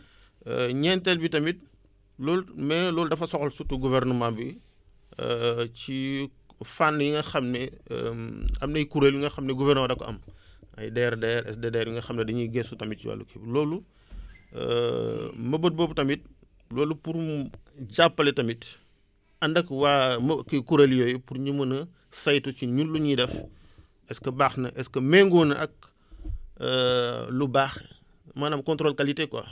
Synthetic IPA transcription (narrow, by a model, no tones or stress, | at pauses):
ɲɛntɛlbitɐmit̚ | lɔːlmɛlɔːludɐfɐsɔxɔlsutuɡuvɛrnumabi | ci | fanːjiŋɡɐxɐmnɛ̰ | ɐmnɐjkuɾeljiŋɡɐxɐmnɛɡuvɛrnmɐdɐkːɔʔɐ̰mɐ̰jdɛːɾdɛːɾɛ̰sdɛdɛːɾjiŋɡɐxɐmnɛdɐɲiɡɛsutɐmit̚t͡ʃiwa̰lːṵkʰeblɔːlṵ | mɐbət̚bɔːbtɐmit̚ | lɔːlupuɾɟapːɐlɛtɐmit | ɐndɐkwamɐkɐkuɾɐljɔjpurɲumɐnɐ | sɐjtut͡ʃiɲunluɲidɛf | ɛskɐbaːxnɐʔɛskɐmɛŋɡɔnɐʔɐk̚ | lubaːx | maːnɐmkɔntɾɔːlkalitekwɐ̰